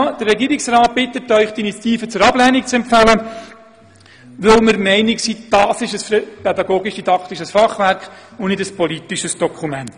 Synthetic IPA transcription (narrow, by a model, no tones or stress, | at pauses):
d̥ərːɛɡiːɾɪksrɑːt̚b̥ɪt̪ːətœʏχt̪init͡sjɑt̪iːfət͡sʊɾɑblɛnik̚t͡sɛmpfælə | ʋɵlməɾmɛɪnɪksiːd̥ɑːsɪʃəsfpɛdɑɡoːɡiʃd̥idɑkχt̪iʃəsfɑχʋæɾkχʊnnɪdəspɔlit̪iʃəsd̥ɔkʰumɛnt̪